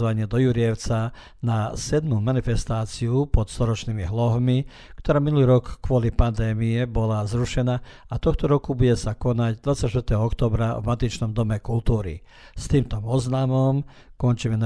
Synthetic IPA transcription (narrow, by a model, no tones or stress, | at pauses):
ʋaɲɪɛd̪ɔjuɾiɛʊt͡sa | nasɛd̪mumanifɛst̪aːt͡siupɔt̪st̪ɔɾɔt͡ʃnimiɦlɔɦmi | kt̪ɔɾaːminuliːɾɔkːʋʊɔlipand̪ɛːmiɛbɔlazɾuʃɛnaat̪ɔxt̪ɔɾɔkubuɟɛsakɔnaɟd̪ʋat͡sːacʃt̪ʋɾt̪ɛːɦɔɔkt̪ɔːbɾavmat̪it͡ʃnɔmd̪ɔmɛkult̪uːɾḭ | st̪iːmt̪ɔmɔznamɔm | kɔnt͡ʃiːmɛn